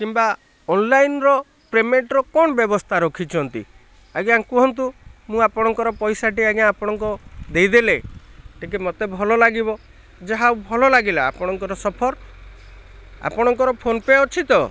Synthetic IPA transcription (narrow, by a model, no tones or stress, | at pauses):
kimba | ɔnlajnɾɔ | pɾemeɳʈɾɔkɔɽ̃ɔbjɔbɔst̪ʰaɾokʰit͡ʃʰɔnt̪ḭ | aɡjãŋkuɦɔnt̪umũapɔɽ̃ɔŋkɔɾɔpɔjsaʈiaɡjãːpɔɽ̃ɔŋkud̪ejd̪eleʈʰikemɔt̪ebʱɔlɔlaɡibɔ | d͡ʒaɦawbʱɔlɔlaɡila̰ːpɔɽ̃ɔŋkɔɾɔsɔpʰɔɾ | a̰pɔɽ̃ɔŋkɔɾɔpʰonpeɔt͡ʃʰit̪ɔ